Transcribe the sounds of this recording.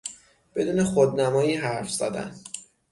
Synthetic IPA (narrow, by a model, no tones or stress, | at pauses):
b̥e̞d̪uːne̞xod̪̚næmɒːjiːɦæɾfz̥æ̰d̪æ̰n